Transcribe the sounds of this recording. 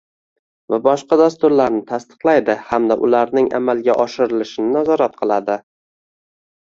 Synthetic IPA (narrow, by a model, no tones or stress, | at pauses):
vabɒʃqɑd̪ast̪ʊɾlaɾnɪt̪ʰast̪ɨ̥qlˠajd̪ɪhamd̪aʔʊ̰laɾnɪŋa̰malɡʲaʔɒʃɪɾɪlɪʃɪnɪnazɒɾat̪̚qʰɨlˠad̪ɪ